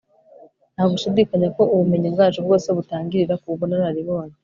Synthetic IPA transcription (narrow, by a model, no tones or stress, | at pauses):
nhaɡuʃudikaɲeko̞ʔuβume̞ɲibɡaːt͡ʃubɡo̞ːseβutaːŋɡiɾiɾakuβonaɾaɾiβo̞ːne